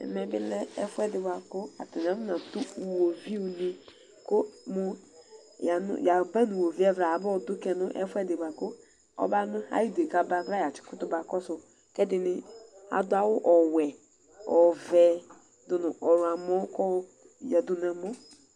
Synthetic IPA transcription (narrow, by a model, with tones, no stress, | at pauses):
ɛ̰˨mɛ˨bɪ˦lɛ˦ɛ˦fɛ˦dɪ˨ba˨kʊ˦a̰˨tɛ˨n˨a˨˦mʊ˦nã˨tu˦u˨wo˨vi˦u˨ni˦ | kʊ˦mʊ˦ | ja˨nʊ̰˨ja˨ba˦nu˨wo˨vi˦ɛ˦vɾa˨a˨˦bɔ˦˨dʊ˦kɛ˨nʊ˦ʔɛ̰˦fwɛ˦dɪ˨ba˨kʊ˦ | ɔ̰˦ba˦nʊ˦a̰˨˦ji˦˨de˨ka˦ba˦vɾa˦ja˨t͡ʃɪ̥˨˦kʊ˦tʊ˦ba˨kɔ˦sʊ˨ | kɛ˦dɪ˨nɪ˦a̰˨dʊ˦a˨wʊ˦ʔɔ˨wɛ˨ | ɔ˨vɛ˨ | dʊ˨nʊ˨ʔɔ˨ɾa˨mɔ˦kɔ˦ | jɛ˨dʊ˨n˦a˨mɔ˦